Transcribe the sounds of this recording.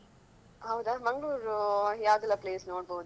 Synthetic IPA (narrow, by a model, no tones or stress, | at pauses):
ɦɐwd̪amɐŋɡɭuːɾujaːʋd̪ɛlːɐpleːsnoːɽboːd̪u